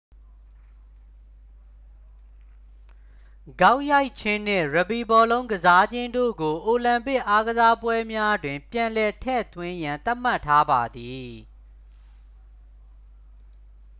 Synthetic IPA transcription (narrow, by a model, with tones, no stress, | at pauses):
ɡ̥a˦ʊʔja˦ɪʔt͡ɕʰɪ̃˦n̥ɪ̰̃˦˨ɹə˨bi˨bɔ˨lõ˦ʊ̃ɡəza˦d͡ʑɪ̃˦ndo̰˦˨ɡo˨ʔo˨lã˨mpɪ˦ʔa˦ɡəza˦pwɛ˦mja˦dwɪ̃˨mpjã˨lɛ˨tʰɛ̰˦˨t̪wɪ̃˦jã˨nt̪a˦ʔm̥a˦˨tʰːa˦ba˨d̪i˨